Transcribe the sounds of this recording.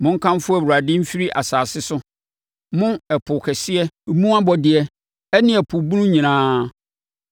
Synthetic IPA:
mʊ̃˦ŋ̩˦kʰã˦mfʊ˦æ˨wu˨ɾa˨dɪ˦m̩˦fi˦ɾi˦ʔa˨saː˨sɪ˦sʊ˦ | mʊ̃˦ɛ˨pʰʊ˨kʰɛ˨sɪ˦ɛ˦˨mũ˦a˦bɔ˨dɪ˨ɛ˦ | ɛ˦nɪ̃˦ɛ˨pʰʊ˨bu˦nũ˦ɲĩ˨nãː˦

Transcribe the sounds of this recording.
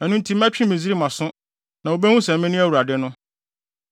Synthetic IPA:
ɛ˨nʊ̃˦n̩˦tʰi˦m̩˦æ̃˦t͡ɕᶣʰĩ˦mĩ˨zi˦ɾi˦mã˨sʊ̃˦ | nã˨wo˦bɛ˦hũ˦sɛ̃˨˦mɪ̃˦nʊ̃˦æ˦wu˨ɾa˨dɪ˦nʊ̃˦

